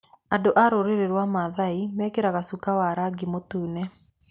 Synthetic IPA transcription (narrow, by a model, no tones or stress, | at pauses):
andoʔaɾoɾeɾeɾwamaðaimɛkeɾaɣasukawaɾaɡimotuːnɛ